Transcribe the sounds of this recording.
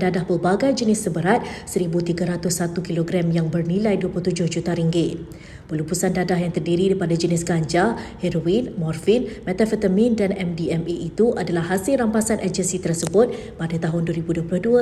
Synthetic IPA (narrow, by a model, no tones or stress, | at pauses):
dadahbəbaɡajd͡ʒənɪsəbəɾat̪̚səɾibut̪iɡaɾat̪ʊsːat̪ukiloɡɾamjaŋbərnilajduəpulut̪ud͡ʒʊhd͡ʒut̪aɾiŋɡɪt̪̚ | pəlupusandadaɦjaŋt̪ərdiɾidaipadad͡ʒənɪsɡaɲd͡ʒahɛɾowinmɔrfinmɛt̪afət̪əmĩndanɛmdiɛmiʔit̪uʔadalahːasɪlrampasanʔad͡ʒənsit̪ərsəbʊt̪̚ | padat̪aɦʊnduwəɾibuduəplʊhdua